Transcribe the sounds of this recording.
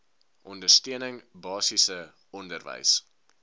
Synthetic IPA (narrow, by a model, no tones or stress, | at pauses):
ʔɔndərstøənəŋbɑːsisə | ɔndərvə̰js